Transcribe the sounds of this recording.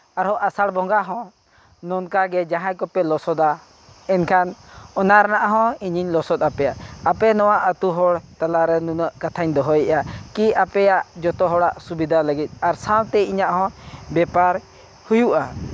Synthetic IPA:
aɾɦɔʔasaɽbɔ̃ŋɡaɦɔ̃ | nɔnkaɡɛd͡ʒaɦãjkɔpɛlɔsɔd̪a | ɛnkʰanɔnaɾanaʔɦɔ̃iɲiɲlɔsɔt̪̚apɛjaʔapɛnɔwaʔət̪uɦɔɽt̪alaɾɛnunəʔkat̪ʰaɲd̪ɔɦɔjɛʔakiapɛjaʔd͡ʒɔt̪ɔɦɔɽaʔsubid̪ʱaləɡit̪̚ˀaɾsãwt̪ɛjiɲaʔɦɔ̃bɛpaɾ | hujuʔa

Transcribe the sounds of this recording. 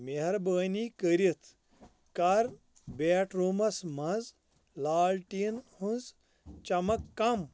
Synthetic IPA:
meɦɐɾbəːnikəɾit̪ʰ | kɐɾ | beːʈɾumɐsmɐnz | laːlʈinhunz | t͡ʃɐmɐkːɐm

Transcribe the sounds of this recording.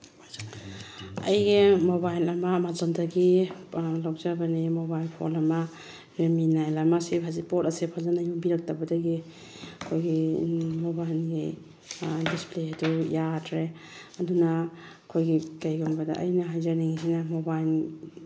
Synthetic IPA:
ɐ̰jɡimobajlɐmamazɔndaɡi | lawzabanimobajlpʰo̰lɐma | ɾeminajlɐmasepʰazipɔtasepʰazanajubiɾak̚tabɐdaɡi | ɐkʰojɡimobajlɡi | displeadujatʰɾe | ɐduna | kʰojɡikajɡɔmbada̰ʔɐ̰jnaɦajzaniŋisinamobajl

